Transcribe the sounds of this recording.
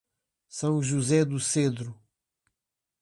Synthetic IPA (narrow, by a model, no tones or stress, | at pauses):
sɐ̃w̃ʒuzɛd̪used̪ɾu